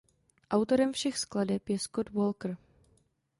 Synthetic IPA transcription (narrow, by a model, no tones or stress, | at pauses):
ʔawt̪o̞ɾɛmfʃɛxskladɛpjɛskot̪volkr̩